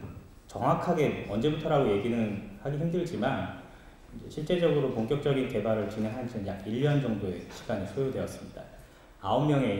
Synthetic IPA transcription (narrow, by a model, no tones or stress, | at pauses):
t͡ɕʌŋɦwakʰaɡe̞mʌnd͡ʑe̞butʰʌɾaɡoje̞ɡinɯnhaɡiɦimdɯɭd͡ʑiman | d͡ʑe̞ɕʰiɭt͡ɕ͈e̞d͡ʑʌɡɯɾopoŋkjʌk̚t͡ɕ͈ʌɡinte̞baɾɯɭt͡ɕinɦe̞ŋɦand͡ʑʰiɯnjaɡiʎːʌnd͡ʑʌŋdoe̞ɕʰi̥ɡ̥aɲisʰojodwe̞ʌs͈ɯ̥mɲida̰ | aommjʌŋe̞